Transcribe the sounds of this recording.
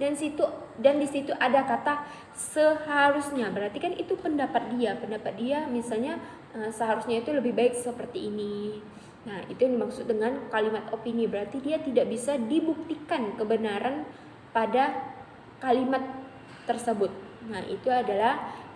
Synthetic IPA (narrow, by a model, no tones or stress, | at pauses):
dansit̪udandisit̪uʔadakat̪a | səhaɾusɲabəɾart̪ikanit̪upəndapat̪̚diapəndapat̪̚diamisalɲa | əsəɦaɾusɲait̪uləbɪhbaɪk̚səpərt̪iːni | nahḭt̪umaksʊt̪̚dəŋankalimat̪opinibəɾart̪idiat̪idaʔbisadibuk̚t̪ikankəbənaɾan | pada | kalimat̪ː | ərsəbʊt̪̚naḭt̪uadalah